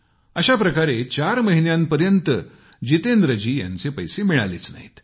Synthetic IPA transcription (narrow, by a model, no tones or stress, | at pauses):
əɕapɾəkaɾet͡ɕaɾməɦinjampəɾjənt̪ə | d͡ʑit̪end̪ɾəd͡ʑiːja̰nt͡sepəjsemiɭa̰lḭːt͡sna̰ɦḭt̪